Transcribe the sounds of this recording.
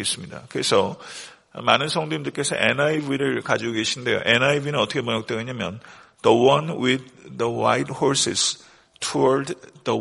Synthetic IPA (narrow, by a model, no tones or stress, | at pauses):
es͈ɯmɲida̰kɯɾesʰʌ | manɯnsʰʌŋdoimndɯɭk͈e̞sʰʌ̰ʔenajbiɾɯɭkad͡ʑiɡoɡe̞ɕʰinde̞jo̰ʔenajbinɯnʌtʰʌkʰemʌɲʌk̚t͈weɡaɲamjʌn | d̥ʌwʌnwid̪ːəwa̰jdhoɾsḭs | tʰuʌɭddʌ